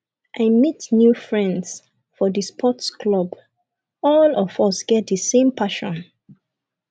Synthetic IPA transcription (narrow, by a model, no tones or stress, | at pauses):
ʔaɪmitnjufɹɛ̃nds | fɔðəspʰɔtskʰlɔb | ɔlɔvɔsɡ̥ɛt̚dəsẽmpʰaʃɔ̃n